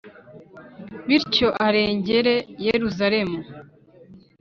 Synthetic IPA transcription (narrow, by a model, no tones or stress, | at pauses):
βiɾco̞ʔaɾe̞ːɲɟe̞ɾejeɾuzaɾe̞mu